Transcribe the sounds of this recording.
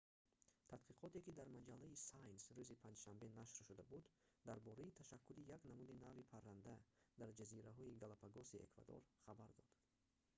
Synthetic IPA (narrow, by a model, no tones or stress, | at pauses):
t̪ʰat̪qiqʰɔt̪e̞kid̪aɾmad͡ʒalːaisajnsɾuzipʰãnd͡ʒʃambe̞naʃɾʃud̪abud̪d̪aɾbɔɾait̪ʰaʃakʰːulijaknamud̪inavipʰaɾːand̪ad̪̥aɾd͡ʒaziɾaɦɔiɡalapʰaɡɔsiḛkva̰d̪ɔ̰ɾχabaɾd̪ɔd̪̥